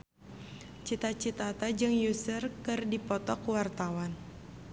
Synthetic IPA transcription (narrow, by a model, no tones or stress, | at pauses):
t͡ʃit̪at͡ʃit̪at̪ad͡ʒɨŋjusərkɨrdipɔt̪ɔkuwart̪awan